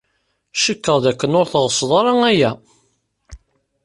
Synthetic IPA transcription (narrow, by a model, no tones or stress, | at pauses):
ʃəkːəʁˤðækːənʊɾθʁəsˤðˤɑɾˤɑŋæjæ